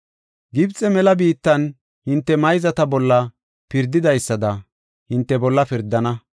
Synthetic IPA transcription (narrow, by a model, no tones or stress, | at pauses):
ɡɪbt͡sʼɛmɛlɐbiːt̪ːɐn | hɪnt̪ːɛmɐjzɐt̪ɐbɔlːɐ | pɪɾd̪ɪd̪ɐjsːɐd̪ɐ | hɪnt̪ːɛbɔlːɐpɪɾd̪ːɐnɐ